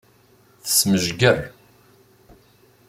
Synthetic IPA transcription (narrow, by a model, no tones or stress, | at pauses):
θə̥sməʒɡərˤ